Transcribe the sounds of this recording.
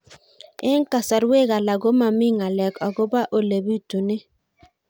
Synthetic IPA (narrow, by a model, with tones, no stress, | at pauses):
ɪ˦ŋ˦ka˨sa˨ɾwe˦ɡa˨la˨ɡo˦ma˨mɪ˦ŋa˨lɛ˨kɔ˨ɡʊ˦ba˦ʔo˨le˨bi˦˨to˨ne˦